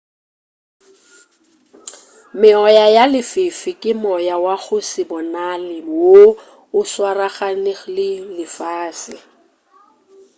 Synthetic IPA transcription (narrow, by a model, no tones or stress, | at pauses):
mɪɔjajalɪfɪfɪkʼɪmɔjawaɣʊsɪbɔnalɪwo | ʊswaraχanɪlɪlɪfaːsɪ